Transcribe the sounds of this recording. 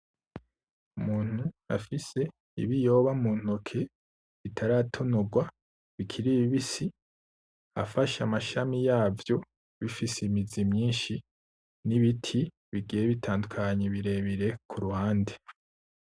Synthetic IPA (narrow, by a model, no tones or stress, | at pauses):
umuːn̥hua̰fise̞ | ḭβijo̞ːβamuːn̥okʰe̞ | βitʰaɾatʰo̞noɡwa | βikʰiɾiβiβisi | a̰faʃamaʃamijaːvjo̞ | βifisimizimɲiːnʃi | niβitʰi | βiɡijeβitʰaːndukʰaɲeβiɾe̞βiɾe̞kʰuɾuhaːnde